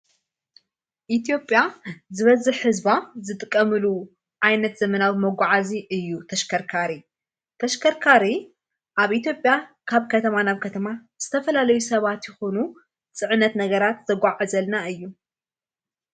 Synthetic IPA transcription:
ʔit̪ʰjo̞pʼːjazɨβɐzɨħhɨzbazɨt̪ʼɨkʼːɐmɨlu | ʕajnɐt̪zɐmɐnawimɐɡʷaʕaziʔɨjːut̪ʰɐʃkʰɐɾkʰaɾi | t̪ʰɐʃkʰɐɾkʰaɾi | ʔaβʔit̪jo̞pʼja | kʰaβkʰɐt̪ʰɐmanaβkʰɐt̪ʰɐmaz̥ɨt̪ʰɐfɐlalɐjusɐβat̪jɛxo̞nu | t͡sʼɨʕɨnːɐt̪nɐɡɐɾat̪zɐɡʷaʕazɐlnaɨjːu

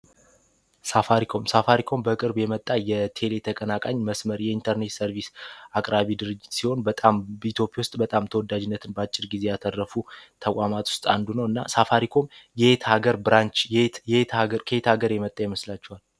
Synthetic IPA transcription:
safaɾikʰo̞msafaɾikʰo̞mbəkʼɨɾbjɛmət̪ʼːajɛt̪ʰe̞le̞t̪ʰəkʼənakʼaɲməsməɾjɛint̪ʰəɾnet̪səɾvisakʼɾaβid̪ɨɾɨd͡ʒːɪt̪siho̞nbət̪ʼambit̪ʰo̞pʼjawʊst̪ʼbət̪ʼamt̪ʰəwɔd̪ad͡ʒɪnːət̪ʰɨnbəat͡ʃʼːɪɾɡize̞jat̪ʰərːəfut̪ʰəkʼamat̪ʰwʊ̥st̪ʼa̰nd̪unəwɨnːa̰safaɾikʰo̞mjɛt̪haɡəɾbɨɾant͡ʃt̪aəɾkʰəet̪haɡəɾjɛmət̪ʼːajɛməslat͡ʃːɛwal

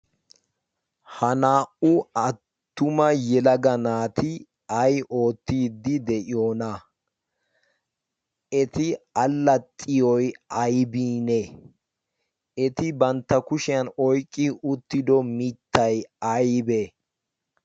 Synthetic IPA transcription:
hɐnaːʔʊɐt̪ːʊmɐjɛlɐɡɐnaːt̪ʰɪ | ɐjʔo̞ːt̪ːiːd̪ːɪd̪ɛʔɪjoːnɐ | ʔɛt̪ɪɐlːɐt̪ʼːɪjɔjɐjbiːne | ɛt̪ɪbɐnt̪ːɐkʊʃɪjɐnɔjkʼːɪʊt̪ːɪd̪ɔmɪt̪ːɐjɐjbe

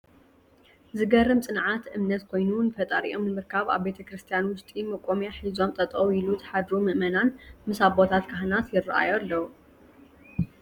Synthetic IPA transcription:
zɨɡɐrːɨmt͡sʼɨnʕat̪ʔɨmnɐt̪kʰo̞jnunɨfɐt̪ʼɐɾḭʔo̞̰mnɨmɨɾkʰaβa̰βbe̞t̪ʰɐkɾɨst̪ʰijanwʊst̪ʼimɐkʼːomjaħizo̞mt̪ʼɐt̪ʼoilut̪ʰħad̪ɾumɨʔmɐnanmɨsaβbo̞t̪ʰat̪kʰaɦnat̪jɪrːɐʔa̰joalːɐw

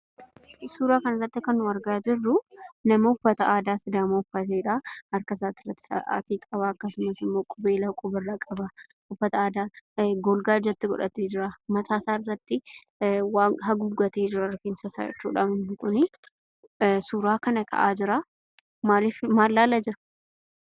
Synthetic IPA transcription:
suːɾaːkɐnɐrːɐt̪ːɪkɐnːʊɐɾɡaːd͡ʒɪrːʊnɐmɐhʊfːɐt̪ɐaːd̪aːsɪd̪aːmɐhʊfːɐt̪eːᶑaːɐɾkɐsaːt̪ːɪrːɐt̪ːɪ̥sɐ̰ʔa̰ːt̪iːkʼɐβaːɐkːɐsʊmɐsɪmːo̞ːkʼʊbe̞ːlaːkʼʊbɪrːakʼɐba | hʊfːɐt̪ɐaːd̪aːɡɔlɡaːd͡ʒɐt̪ːɪɡɔ̰ᶑɐt̪eːd͡ʒɪɾamɐt̪ʰaːsaːɪrːɐt̪ːɪ | waːŋɦɐɡuːɡɔt̪eːd͡ʒɪɾɐkeːnsɐsa̰ːd͡ʒɛ̰t͡ʃːṵːᶑa̰mɪnhɪŋkʼʊni | suːɾaːkɐnɐkʰɐ̰ʔaːd͡ʒɪɾa | maːlɪfmaːlːaːlad͡ʒɪɾɐ̥

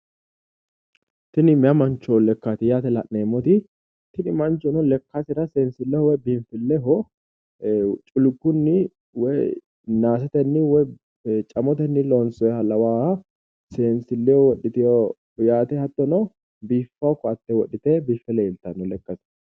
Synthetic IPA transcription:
t̪ɪnɪmɪɐmɐnt͡ʃːɔlɛkːat̪ɪjaːt̪ɛlɐʔneːmɔt̪ɪ | t̪ɪnɪmɐnt͡ʃːɔnɔlɛkːasɪɾɐseːnsɪlːɛhɔwɔjbiːmfɪlːɛɦɔ | t͡ʃʼʊlɡːʊnːɪ | wɔj | naːs̬ɛt̪ɛnːɪwɔj | t͡ʃʼɐmɔt̪ɛnːɪloːnsɔjɛhɐlɐwaːɐ | seːnsɪlːɛɔwɔɗɪt̪ɪjɔ | jaːt̪ɛhɐt̪ːɔnɔ | biːfːakːɔɐt̪ːɛwɔɗːɪt̪eːbiːfːɛleːlt̪ɐnːɔlɛkːɐsɪ

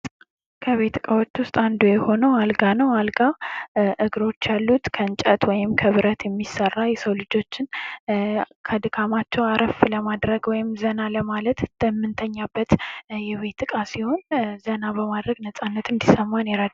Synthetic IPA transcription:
kʰəβe̞t̪ʰɨkʼawo̞t͡ʃːwʊst̪ʼand̪ujɛho̞nəwalɡanəwalɡaʔɨɡɾo̞t͡ʃːjalːut̪kʰənt͡ʃʼət̪wɔjɪmkʰəβɨɾət̪jɛmːisərːajɛsəwlɨd͡ʒo̞t͡ʃːɪn | kʰəd̪ɨkʰamat͡ʃːɛwaɾʔəfləmad̪ɾəɡwɔjɪmzənaləmalət̪t̪ɨmːɨnt̪ʰəɲːabːət̪jɛβe̞t̪ʰːɨkʼasiho̞nzənaβəmad̪ɾəɡnəsʼanːət̪ɨnd̪isəmːaneɾad̪

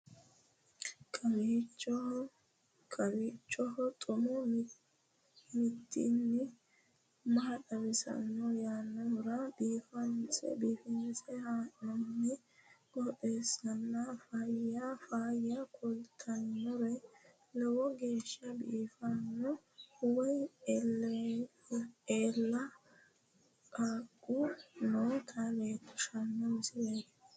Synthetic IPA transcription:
kʼɐmiːt͡ʃːɔ | kʼɐbiːt͡ʃʼːɔɦɔt̪ʼʊmɔ | mɪt̪ːḭnːɪ | mɐɐɗɐbɪsɐ̰nːɔjaːnːɐmʊɾɐbiːfɐnt͡sʼɛ̰biːfɪnɛsɛhaːʔɔnːɪ | ɡɔte̞ːsɐnːɐfajafaːjakʰɔlt̪ʰɐnːɔɾɛ | lɛwɔɡe̞ːʃːɐbiːfanːɔ | wɐjl | eːlːɐ | kʼaːkʼːunoːt̪ʰɐleːt̪ːʊ̥ʃɐnːɐmɪsɪleːt̪

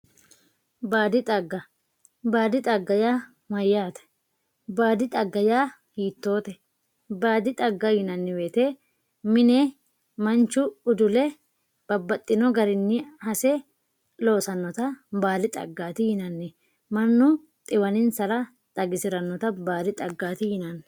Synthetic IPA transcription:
baːd̪ɪt̪ʼɐɡːɐ | baːd̪ɪt̪ʼɐɡːɐjaː | mɐjːaːt̪ɛ̥ | baːd̪ɪt̪ʼɐɡːɐjaː | hiːt̪ːo̞ːt̪ɛ | baːd̪ɪt̪ʼɐɡːɐjɪnɐnːɪweːt̪eː | mɪne | mɐnt͡ʃʊʊd̪ʊlɛ | b̥ɐbːɐt̪ʼːɪnɔɡɐɾɪnːɪhɐsɛ | lo̞ːsɐnːɔt̪ɐbaːd̪ɪt̪ʼɐ̰ɡːaːt̪ɪjɪnɐnːɛ | mɐnːʊ | t̪ʼɪwɐnɪnsɐlɐ | t̪ʼɐɡɪsɪɾɐnːɔt̪ɐbaːd̪ɪt̪ʼɐɡːaːt̪ɪjɪnɐn

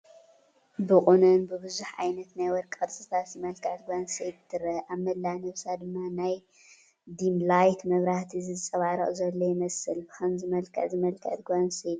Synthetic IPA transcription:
bɨkʼunɨnbɨβɨzuħʕa̰jnɐt̪najwɔɾkʼɐɾsʼɨt̪ʰat̪zɨmɐlkʰɐʕt̪ɡʷansijt̪ʰːɨɾɐʔaβmɐlːanɐβsad̪ɨmːanaj | d̪imlajt̪mɐβɾaht̪ʰizɨɨt͡sʼɐβaɾɐχʼzɐlːojɪmɐsɨlbɨxʰɐmzɨmɐlkʰɐ̰ʕzɨmɐlkʰɐ̰ʕt̪ɡʷansit̪

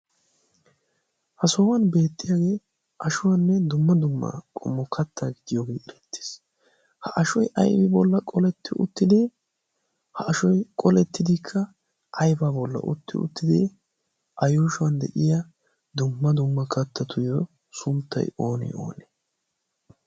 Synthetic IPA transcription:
hɐsɔːwɐnbe̞ːt̪ːɪjaɡe̞ː | ʔɐʃʊwɐnːɛd̪ʊmːɐd̪ʊmːɐ̰kʼɔ̰mːɔkʰɐt̪ːaːɡɪd̪ɪjoːɡeːɛɾɛt̪ːe̥s | hɐʔɐʃɔjʔɐ̰jbɪbɔlːɐkʼɔlɛt̪ːɪʔʊ̰t̪ːɪd̪ɪ | hɐɐʃɔjkʼɔlɛt̪ːɪd̪ɪkʰːɐ | ʔɐjbaːbɔlːɐ̰ʔʊ̰t̪ːɪ̰ʊ̰t̪ːɪd̪ɪ | ʔɐjuːʃʊwɐnd̪ɛ̰ʔɪjɐ | d̪ʊmːɐd̪ʊmːɐkɐt̪ːɐt̪ʰʊjɔ | sʊnt̪ːɐ̰jo̞ːnɛ̰o̞̰ːne

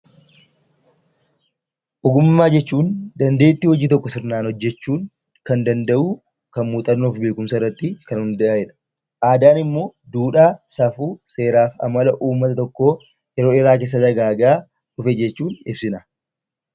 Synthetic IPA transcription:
ʔɔɡʊmːaːd͡ʒɛt͡ʃːuːnd̪ɐnd̪e̞ːt̪ːiwɔd͡ʒiːt̪ɔkːɔsɪɾnaːnhɔd͡ʒːɛt͡ʃːuːŋ | kɐnd̪ɐnd̪ɐʔuː | kɐnmuːt̪ʼɐnːɔɔfbeːkʊmsɐɪrːɐt̪ːɪkɐnhʊnd̪ɐʔaːɛᶑɐ̥ | ʔaːd̪aːnɪmːo̞ːd̪uːᶑaːsɐfuːse̞ːɾaːfɐ̰mɐlɐʔuːmːɐt̪ɐt̪ɔkːoː | jɛɾoːɛɾaːkeːs̬ɐd̪ɐɡaːɡaː | ʊfɛd͡ʒɛt͡ʃːuːnɪbsɪnɐ

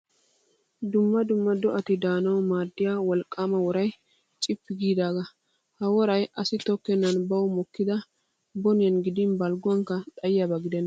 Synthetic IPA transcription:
d̪ʊmːɐd̪ʊmːɐd̪ɔʔɐt̪ɪd̪aːnɐwmaːd̪ːɪjaːwɔlkʼːamɐwɔɾɐj | t͡ʃʼɪpːɪɡiːd̪aːɡɐ | hɐwɔɾɐjɐsɪt̪ɔkːɛnːɐnbɐwmɔkːɪd̪ɐ | bɔnɪjɐnɡɪd̪ɪnbɐlɡʊwɐŋkːɐt̪ʼɐjjɐbɐɡɪd̪ɛnː

